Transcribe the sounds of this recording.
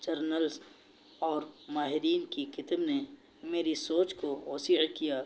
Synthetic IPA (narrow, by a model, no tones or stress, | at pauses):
d͡ʒɐɾnəlz | ɔːɾmaːɦɪɾiːnkikɪt̪əbne | meːɾisoːt͡ʃkoɦoːsiːʕkijaː